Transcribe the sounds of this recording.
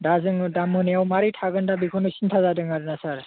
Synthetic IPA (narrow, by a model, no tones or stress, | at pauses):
dazɯŋdamhɯniawmaɾitʰaɡɯndabikʰɔnusintʰazadɯŋaɾɯnasaɾ